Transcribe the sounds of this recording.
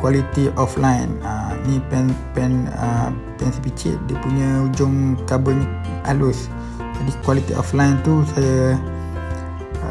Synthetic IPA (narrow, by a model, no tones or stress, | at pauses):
kwalit̪iʔɔflajnəinĩpɛnpɛnə | pɛnsipit͡ʃɪ̰t̪̚dipuɲə̃ud͡ʒʊŋt̪abən | alʊs | d͡ʒadikwalit̪ḭɔ̰flajnt̪usaja